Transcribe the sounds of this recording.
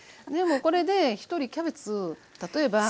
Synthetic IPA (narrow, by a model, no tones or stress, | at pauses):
ne̞moːko̞ɾe̞d̪e̞çi̥t̪o̞ɾʲikʲabe̞t͡sɨt̪at̪o̞e̞ba